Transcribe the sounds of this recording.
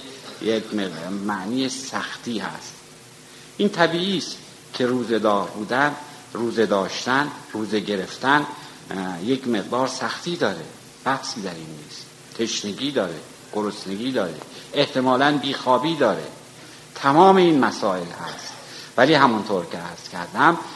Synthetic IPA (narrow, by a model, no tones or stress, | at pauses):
jekmemæʔniːjesæxt̪iːhæ̰st̪ | ʔint̪ʰæbiːʔiːst̪ | kʰe̞ruːze̞d̪ɒːɾbuːd̪æn | ruːzed̪ɒːʃt̪ænruːzeɟe̞ɾe̞ft̪æn | jekme̞ʁd̪ɒːɾsæxt̪ʰiːd̪ɒːɾḛ | b̥æhsiːd̪æɾinːḭːst̪ | t̪ʰe̞ʃneɡʲiːd̪ɒːɾḛ | ɡ̥oɾosneɡiːd̪ɒːɾḛeht̪e̞mɒːlænbiːxɒːbiːd̪ɒːɾḛ | t̪ʰæmɒːmeiːnmæsɒːe̞lhæ̰st̪ | væliːhæmunt̪ʰoːɾcʰeæɾz̥kʲʰæɾd̪æm